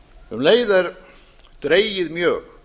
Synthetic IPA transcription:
hʏmleːjðaɾ | d̪̥ɾejjɪðmjœːɣ

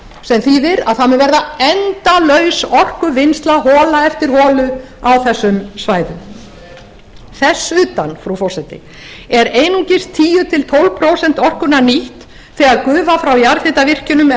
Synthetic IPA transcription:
sɛmθiðɪɾa̰ðθamɛɾvɛɾðaɛnt̪alœɥsɔr̥kʏvɪnst̪laɦɔːlaɛft̪ɪɾhɔːlʏ | awθɛsːʏmsvaːjðʏm | θɛsːʏːt̪anfɾawfɔr̥sɛt̪ɪ̰ | ɛɾeːjnuŋcɪst̪ʰːiːjʏt̪ʰɪlt̪ʰowlvpʰɾowsɛnt̪ɔr̥kʏnaniht̪ | θɛːɣaðkʏːvafɾawjaɾθɪt̪avɪr̥cɪnʏm

